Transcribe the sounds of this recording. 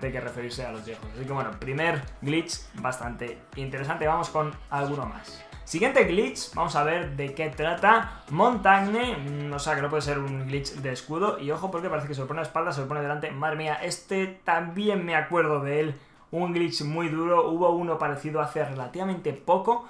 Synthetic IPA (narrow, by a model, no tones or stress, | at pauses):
t̪ajkerʔe̞fe̞ɾiɾse̞alo̞zβjexosasik̬ewe̞no̞pɾime̞ɾɡlit͡ʃ | bast̪ant̪e̞ | int̪e̞ɾe̞sant̪eβamo̞sko̞nalɣ̞uno̞ma̰sː | iɣje̞nt̪e̞ɣlit͡ʃba̰mo̞saβ̞e̞ɾðe̞ke̞t̪ɾat̪amõ̞nt̪aɣneoseakeno̞pweðseɾuŋɡlit͡ʃd̪e̞ːskuðo̞ʔio̞xo̞po̞ɾkepaɾe̞θekes̬eloponeaespald̪as̬eloponeðlant̪e̞maðɾe̞miaʔe̞st̪et̪ambje̞nmeakwe̞ɾð̞o̞ðeel | uŋɡlit͡ʃmujðuɾo̞uβo̞uno̞paɾe̞θiðoaθere̞lat̪iβamẽnt̪e̞po̞ko̞